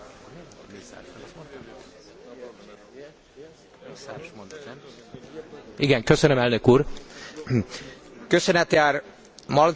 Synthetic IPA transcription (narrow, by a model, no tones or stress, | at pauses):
ḭʃmont̪ | isaɾʃmond̪ | iɡɛŋkøsønømɛlnøkuːɾ | køsønɛt̪jaːɾ | mɒl